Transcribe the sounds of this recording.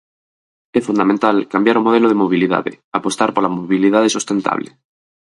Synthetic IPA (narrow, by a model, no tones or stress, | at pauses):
ɛfund̪amẽnt̪alkambjaɾomoð̞eloð̞emoβ̞iliða̰ðḛ | apost̪aɾpolamoβiliðaðesost̪ẽnt̪a̰βlḛ